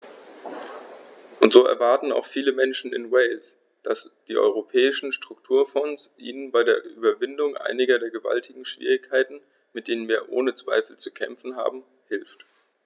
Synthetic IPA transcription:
ʔʊntz̥oːʔɛ̰ɐvaɐtn̩a̰ʊxfiːləmɛnʃn̩ɪ̰nwɛɪls | d̥asd̥iːʔɔ̰ʏʁ̞opʰɛːɪʃn̩ʃtʁ̥ʊktʰuːɐfɔnsʔḭːnənbaɪdeːɐʔyːbɐvɪndʊŋʔa̰ɪnɪɡɐdeːɐɡəva̰ltʰɪɡŋ̩ʃv̥ḭːʁ̞ɪçkʰːaɪtn̩ | mɪtd̥eːnənviːɐʔoːnət͡sv̥a̰ɪfl̩t͡sukʰɛ̰mfn̩ɦa̰ːbm̩ | hɪlft

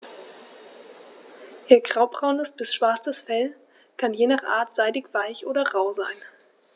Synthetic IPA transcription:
ʔeːɐɡʁ̥aʊbʁaʊnəsb̥ɪsʃv̥aɐt͡səsfɛl | kʰanjeːnaχʔa̰ːɐtz̥aɪdɪçv̥aɪçʔoːɾɐʁaʊzaɪn

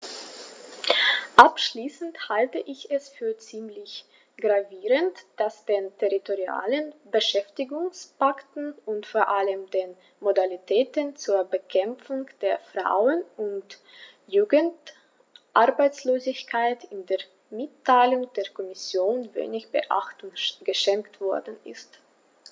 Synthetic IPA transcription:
ʔapʃliːsn̩thaltəʔɪçɛsfyːɐt͡siːmlɪç | ɡ̥ʁaviːʁəntd̥asd̥eːntʰeʁitoʁia̰ːlənbəʃɛftɪɡʊŋspaktn̩ʊntfoːɐʔaləmdeːn | modalitʰɛːtənt͡suːɐbəkʰɛmp͡fʊŋd̥eːɐfʁ̥a̰ʊənʔʊnt | juːɡənt | ʔaɐbaɪt͡sloːzɪçkʰaɪtɪndeːɐ | mɪtʰːaɪlʊŋd̥eːɐkʰɔmɪsjoːnvḛːnɪçb̥əʔa̰χtŋɡ̥əʃɛŋktv̥ɔɐdn̩ʔɪ̰st

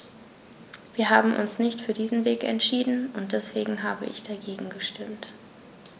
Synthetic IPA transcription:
v̥iːɐɦaːbm̩ʔʊ̰nsnɪçtfyːɐdiːzn̩veːkɛ̰ntʃiːdn̩ʊnt̚d̥ɛsv̥eːɡŋ̩ɦaːbə̰ʔɪ̰çd̥aɡeːɡŋ̩ɡəʃtɪmt

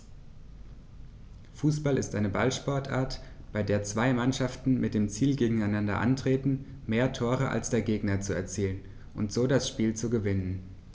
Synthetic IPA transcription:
fuːsb̥alɪ̰stʔaɪnəbalʃpɔɐtʔa̰ːɐtb̥aɪdeːɐt͡sv̥aɪmanʃaftn̩mɪt̚d̥eːmt͡siːlɡeːɡŋ̩aɪnandɐ̰ʔa̰ntʁ̥eːtn̩ | meːɐtʰoːʁ̞əʔa̰lsd̥eːɐɡeːɡnɐt͡suɛ̰ɐt͡siːlən | ʔʊntz̥oːdasʃpiːlt͡suɡəvɪnən

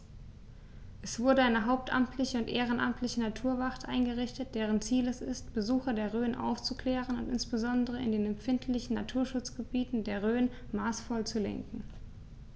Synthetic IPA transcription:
ʔɛsv̥ʊɐdəaɪnəɦaʊp̚tʔa̰mtʰlɪçəʊntʔeːʁ̞ənʔa̰mtʰlɪçənatʰuːɐvaχtʔaɪnɡəʁɪçtət̚d̥eːʁ̞ənt͡siːlɛsɪ̰stb̥əzuːxɐdeːɐʁøːnʔa̰ʊft͡sukl̥ɛːʁ̞ənʊ̰ntɪnsb̥əzɔndəʁ̞əɪ̰ndeːnɛmfɪntʰlɪçn̩natʰuːɐʃʊt͡sɡ̥əbiːtn̩deːɐʁ̞øːn | maːsfɔlt͡sulɛ̰ŋkŋ̩

